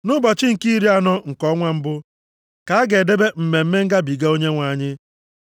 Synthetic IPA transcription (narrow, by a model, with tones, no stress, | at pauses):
nʊ˦bɔ˨t͡ʃɪ˦ŋ̩˨ki˦ɾi˦a˦nɔ˦ŋ̩˨kɔ˦ŋʷa˦m̩˦bʊ˦ | ka˨a˦ɡe˨de˦be˦m̩˨me˨m̩˦me˦ŋ̩˦ɡa˦bi˨ɡa˦o˦ɲe˦ŋʷa˨ɲɪ˦